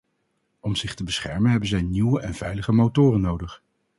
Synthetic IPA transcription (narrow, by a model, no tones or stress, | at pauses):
ɔmz̥ɪχtəbəsχɛɹmənɦɛbənzɛjniwəʔɛnv̥ɛjləχəmowtʊːrənːowdəχ